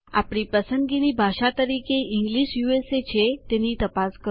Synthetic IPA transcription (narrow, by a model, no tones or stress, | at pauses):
a̰pɽ̃ipəsənɡinibʱaʃat̪əɾikeʔiŋɡliʃjueset͡ʃʰet̪enit̪əpaskə